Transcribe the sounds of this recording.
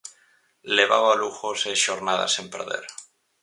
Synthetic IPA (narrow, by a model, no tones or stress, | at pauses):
le̞β̞aβaluxoseʃoɾnaða̰simpḛɾðḛɾ